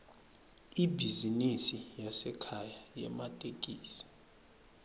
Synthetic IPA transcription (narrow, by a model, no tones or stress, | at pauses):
ibʱizinisijasɛkʰajajɛ̰matʼekʼiːsi̥